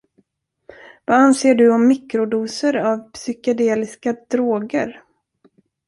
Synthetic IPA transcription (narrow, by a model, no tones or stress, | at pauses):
vaanseːɖɵɔmːɪkɾʊd̪uːsəɾavpsʏkad̪eːlɪskad̪ɾoːɡəɾ